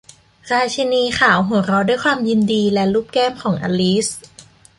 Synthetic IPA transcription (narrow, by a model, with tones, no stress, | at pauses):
ɾaː˧t͡ɕʰa˧niː˧xʰaː˩˦wɦu˩˦ɾɔː˧˥du˥˩jkʰwaː˧mji˧ndiː˧lɛ˦˥luː˥˩p̚kɛː˥˩mkʰɔː˩˦ŋʔaː˧liː˦˥s